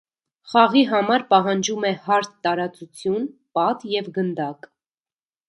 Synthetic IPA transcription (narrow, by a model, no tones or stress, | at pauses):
χɑʁiɦɑmɑɾpɑɦɑnd͡ʒumɛhɑɾt̪ːɑɾɑt͡sut͡sʰjunpɑt̪jɛvɡənd̪ɑk